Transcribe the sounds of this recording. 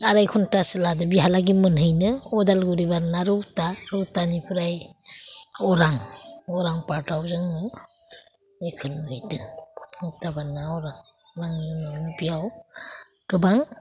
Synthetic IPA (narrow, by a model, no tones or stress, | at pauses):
aɾajkʰɔntasɯladɯbiɦalaɡimɯnɦɯjnɯɔdalɡuɾibaɾnaɾɯwtaɾuwtanipʰɯɾaj | ɔɾaŋɔɾaŋpaɾtawzɯŋnɯ | nikʰɯlmhɯjdɯɔ̥pʰuŋtabanːaɔɾaŋɾaŋninanbijaw | ɡ̥ɯbaŋ